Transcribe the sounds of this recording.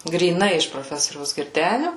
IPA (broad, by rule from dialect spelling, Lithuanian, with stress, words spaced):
ɡrʲiːˈnɐɪ ɪʃ proːˈfʲæːsoːrʲɛʊs ɡʲɪrʲˈdʲæːnʲʊ